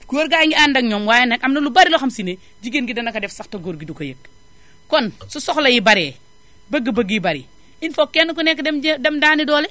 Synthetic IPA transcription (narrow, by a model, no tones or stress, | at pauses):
kuoːɾɡajŋɡiandɐŋɲɔmwaːjɐnɐkɐmnɐlubaɾilɔxɐmsine | d͡ʒiɡenɡidɐnɐkɐdɛfsɐxtɐɡoɾɡidukojək̚ | kɔnsɔsɔxlɐjibɐɾɛː | bəɡːəbɐɡjibɐɾḭ | infɔkːɛnukɔnɛkːɛmdɛmdaːnidɔːlɛ